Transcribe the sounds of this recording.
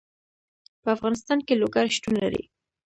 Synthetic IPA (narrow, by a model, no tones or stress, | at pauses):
pəafɣɑnɪst̪ɑnkeloɡaɾʃtunlaɾḭ